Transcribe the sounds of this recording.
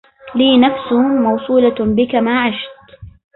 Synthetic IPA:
liːnafsʊmɑwsˤuːlabɪkamaːʕaʃt̪

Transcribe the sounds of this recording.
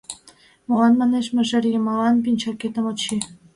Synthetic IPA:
molɑnmɑneʃmĕʒɘ̆rjəmɑlɑnpinʲt͡ɕɑket̪ə̆mot͡ɕi

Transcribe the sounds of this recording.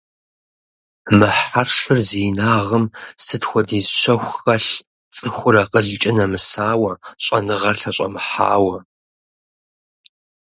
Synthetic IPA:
mɨħarʂɨrziːnaːʁəmsɨtxʷɔdiːzɕʷɐxʷxɐɬ | t͡sʼɨxʷʊɾɐqəɮt͡ʃʼɪnɐmɨsaːwɐɕʼɐnɨʁɐrɬɐɕʼɐ̰mɨħa̰ːwɐ

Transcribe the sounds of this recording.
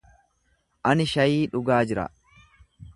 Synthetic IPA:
ʔɐnɪʃɐjiːᶑʊɡaːd͡ʒɪɾɐ̰

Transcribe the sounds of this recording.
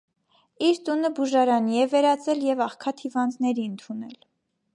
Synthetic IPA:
iɾt̪unəbuʒɑɾɑniɛvɛɾɑt͡sɛljɛvɑχkʰɑt̪ʰhivɑnd̪nɛɾiənt̪ʰunɛl

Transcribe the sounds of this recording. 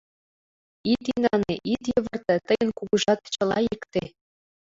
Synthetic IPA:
it̪inɑneʔit̪jɤ̆ʋɤ̆rt̪ɘ̆t̪ɤ̆jɤ̆nkuɡuʐɑt̪t͡ɕɤ̆lˠɑjikt̪ʲe

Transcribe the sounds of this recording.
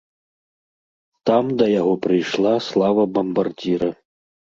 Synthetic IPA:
t̪amd̪ɐjaɣɔpɾɨjʂlˠaslˠavɐbɐmbard͡zʲiɾɐ

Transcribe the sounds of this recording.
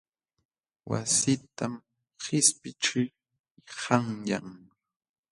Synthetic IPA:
wa̰sɪt̪am | hɪspɪʈ͡ʂɪ | haŋja̰ŋ

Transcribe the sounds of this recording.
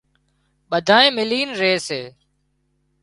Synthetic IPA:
ɓəd̪ʱaːẽːmɪliːnɾeːseː

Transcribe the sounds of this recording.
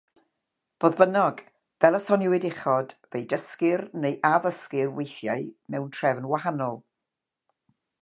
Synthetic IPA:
v̥oːðbənɔɡ | vɛlˠəsɔnɪwɪdɪχɔd̥vejdəskɪrnejʔavəskɪrwejθjaɨmɛwntʰr̥ɛvnwahanɔlˠ

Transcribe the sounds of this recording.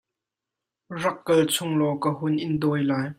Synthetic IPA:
rɐkːɐlt͡sʰʊŋlɔkəhʊnʔɪnd̪ɔːjlaːj

